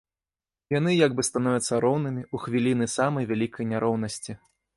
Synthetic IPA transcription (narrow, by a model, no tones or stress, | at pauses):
janɨjaɡbɨst̪anɔvʲɐt̪sːɐɾɔwnɨmʲiuxvʲilʲinɨsamɐjvʲalʲikʰɐjnʲaɾʔɔwn̪ɐsʲt͡sʲi